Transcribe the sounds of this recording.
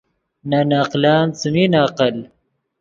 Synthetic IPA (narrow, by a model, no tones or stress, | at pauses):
nanaːqlaːnt͡suminaːqəl